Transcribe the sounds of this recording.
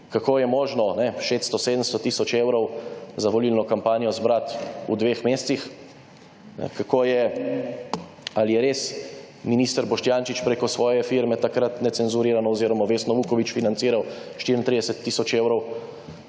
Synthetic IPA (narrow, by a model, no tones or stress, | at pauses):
kakoːjɛmɔːʒnɔnɛʃet̪st̪ɔseːd̪əmst̪ɔt̪iːsɔt͡ʃeːwɾɔwzaʋɔliːlnɔkampaːnijɔzbɾat̪ṵd̪ʋeːxmeːst̪six | kakoːjɛ | alijɛɾeːs | miniːst̪əɾbɔʃt̪jaːnʃit͡ʃpɾekɔsʋɔːjɛfiɾmɛt̪akɾat̪nɛt̪sɛnzuɾiːɾanɔɔziːɾɔmaʋeːsnɔʋuːkɔʋit͡ʃfinant̪siːɾawʃt̪iɾint̪ɾid̪ɛsɛt̪ːisɔt͡ʃeːwɾɔw